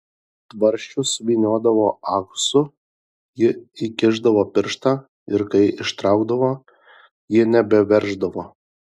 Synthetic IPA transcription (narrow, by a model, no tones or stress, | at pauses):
t̪ʋɐɾʲˑʃʲt͡ʃʲʊsʋʲiːnʲuɔd̪ɐʋoːɑksʊ | jɪikʲɪʒd̪ɐʋoːpʲɪɾʃt̪ɑː | ɪɾkɐɪɪʃt̪ɾɑˑʊɡd̪ɐʋoː | jɪnʲɛbʲɛʋʲɛɾʒd̪ɐʋoː